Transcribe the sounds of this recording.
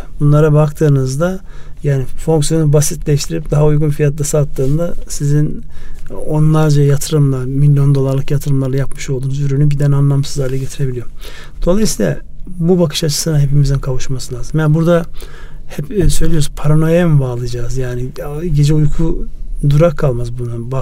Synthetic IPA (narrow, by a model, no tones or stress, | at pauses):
bunlˠaɾabakt̪ʰɯːnɯzd̪a | jaːnifo̞ŋksijo̞nubasit̪lʲɛiʃt̪ʰiɾip̚d̪aɦaujɡunfijat̪lasat̪ʰːɯːnd̪asizin | o̞nlˠaɾd͡ʒajat̪ʰɯɾɯmlˠaɾmilʲjo̞nd̪o̞lˠaɾlˠɯkjat̪ʰɯɾɯmlˠaɾlˠajapmɯʃo̞lˠd̪uːnzyɾynybid̪ænanlˠamsɯzlˠaɾlˠaɟe̞t̪ʰiɾe̞bilʲijo | d̪̥o̞lˠajɯsiːlˠa̰ | bubakʰɯ̥ʃat͡ʃʰɯ̥sɯnaɦe̞pimizinkʰavuʃmasɯlʲˠaːzɯmjanbuɾd̪ahɛpsø̞jlʲijouzpʰaɾonojambaːlˠɯjd͡ʒaːzjaːniɟe̞d͡ʒɛujkʰud̪uɾakʰːalˠmazbunuba